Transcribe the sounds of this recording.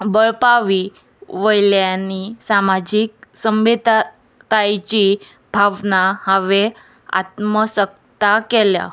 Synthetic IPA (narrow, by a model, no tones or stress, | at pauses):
bəɭpaʋi | ʋəjljanisamad͡ʑik̚səmʋed̪ | t̪ajt͡ɕi | bʱaʋnahaʋe | a̰t̪məsək̚ | t̪akɛlja̰